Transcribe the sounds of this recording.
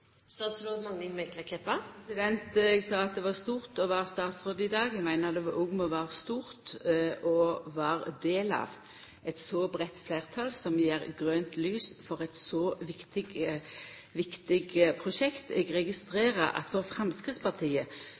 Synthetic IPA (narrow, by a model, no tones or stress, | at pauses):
st̪ɑːt̪sɾoːd̪mɑŋːɪmɛlkək̪ʰɛpːɑɛsɪd̪ɛnt̪ɛɡsɑːɑt̪̚d̪ɛʋɑst̪uːʁt̪ɔʋɑʁst̪ɑːt̪sʁoːd̪əɪd̪ɑːɡɛɡmæɪnəd̪ɛʋɑʔʊɡməʋɑʁst̪uːʁt̪ʔɔʋɑːʁd̪eːlɑ̰ːʋ | ɛt̪sɔbɾɛt̪ːfleːʁt̪ʰɑlsɔmjeːʁɡɾøːnt̪lyːsfɔɾɛt̪sɔʋɪkt̪ɪɡ | ʋɪkt̪ɪɡpʰʁʊʃɛkt̪ɛɡʁɛɡɪst̪ʁeːɾəʔɑ̰t̪ʋɔʁfɾɑmskʁɪt̪spɑʁt̪ʰiːə